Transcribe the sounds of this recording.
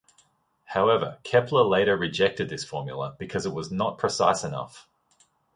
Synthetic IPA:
haʊɛvə̰˞kʰɛpʰləleɪɾəɹɨd͡ʒɛk̚tɨd̪̚ðɪsfɔːmjl̩ˠəb̥ɨkʰʌzɨt̚wɒznət̚pʰɹ̥ɨsaɪsənʌ̰f

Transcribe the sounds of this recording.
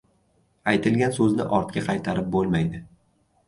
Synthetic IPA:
ajt̪ʰɪlɡʲansɵznɪ̰ʔɒɾt̪kʲaqʰɑjt̪ʰaɾɪp̚bolˠmajd̪ɪ

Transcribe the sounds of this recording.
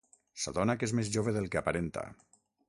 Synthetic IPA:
saðɔnakezmezʒoβeðelˠkeapaɾent̪a̰

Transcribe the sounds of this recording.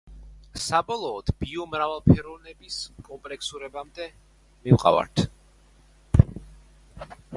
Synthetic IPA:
sabɔlˠɔːd̪̥b̥iɔmɾavalˠpʰɛɾɔvnɛbiskʼɔmpʼlɛksuɾɛbamd̪ɛ | miwqʼa̰va̰ɾt̪ʰ

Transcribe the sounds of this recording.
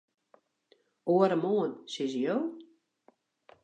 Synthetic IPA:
oəɾəmoənsɪzəjoː

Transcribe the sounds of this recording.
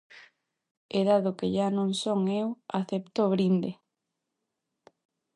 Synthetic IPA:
eðaðʊkeʎanõŋsoŋewaθept̪oβɾind̪e

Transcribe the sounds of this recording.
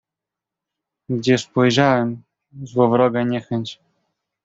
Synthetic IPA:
ɡd͡ʑɛspɔjʐawɛm | zwɔvɾɔɡɛɲɛxɛɲt͡ɕ

